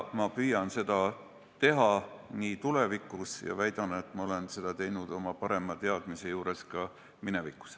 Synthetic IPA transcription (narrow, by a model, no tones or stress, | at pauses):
mɑpyjɑnse̞d̪̥ɑ | t̪e̞ɦɑniːt̪ule̞vikːˑusjɑ̰væjd̪̥ɑnet̪ːˑmɑo̞le̞nse̞d̪̥ɑt̪e̞jnud̪̥o̞mɑpɑɾe̞mɑt̪e̞ɑd̪̥mise̞juːɾe̞skɑ | mine̞vikːˑu̥s